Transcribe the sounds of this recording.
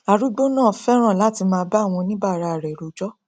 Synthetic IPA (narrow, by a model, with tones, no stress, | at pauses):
a˨ɾu˨˦ɡ͡bo˦nãː˦˨fɛ˦ɾ̃ã˦˨la˨˦ti˧mãː˧˦ba˦˨w̃ɔ̃˧nĩ˦ba˦˨ɾa˧a˨ɾɛ˨ɾo˨d͡ʒɔ˦